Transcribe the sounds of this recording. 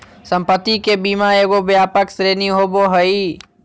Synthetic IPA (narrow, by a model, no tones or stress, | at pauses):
sə̃mpət̪ːikeːbiːmãeːɡobjaːpəksɾeːniɦoːboɦəiː